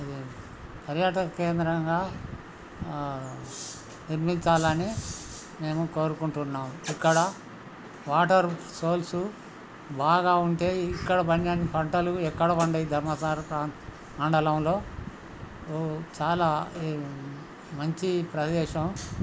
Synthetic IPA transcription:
ɐd̪i | pɐɾjaːʈɐkɐkeːnd̪ɾɐŋɡaː | niɾmiɲt͡ʃaːlɐni | me̞ːmuko̞ːɾukuɳʈunːaːmikːɐɽɐ | ʋaːʈɐɾ | so̞ːlsu | baːɡaːuɳʈe̞ːikːɐɽɐbʱɐnjaːnːipɐɳʈɐluɛkːɐɽɐʋɐɳɖɐjid̪ʱɐɾmɐsaːɾpɾaːn | ɐɳɖɐlɐmlo̞ː | t͡ʃaːlaː | mɐɲt͡ʃipɾɐd̪ɛːʃɐm

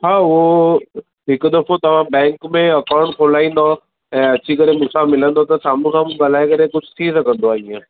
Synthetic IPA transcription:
ɦaːʊɦo | ɦɪkd̪ɐfot̪ɐʋ̤ãbɛ̃ːŋkmẽɐkãːɳʈkʰoːlaːĩːn̆d̪o | ɛ̃ːɐt͡ɕʰikɐɾemʊsamɪlə̃nd̪ot̪ɐsaːm̤ũksʰãːm̤ũɡɐl̤aːekɐɾekʊd͡ʑʱʊt̪ʰisɐkʰə̃nd̪oaːĩjãː

